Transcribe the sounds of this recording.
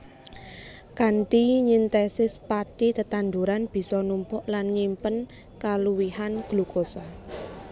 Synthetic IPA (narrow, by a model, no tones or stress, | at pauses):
kanʈiɲint̪ɛsɪspaʈid̪ət̪and̪uɾanb̥i̤sɔnumpʊʔlanɲimpən | kaluwihanɡ̥luɡ̥osa